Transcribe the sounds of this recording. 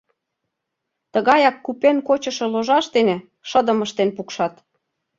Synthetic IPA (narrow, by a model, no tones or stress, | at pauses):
t̪əɣɑjɑkːupenkot͡ɕə̆ʃɤ̆loʒɑʃt̪enĕ | ʃə̆d̪ə̆məʃt̪enpukʃɑt̪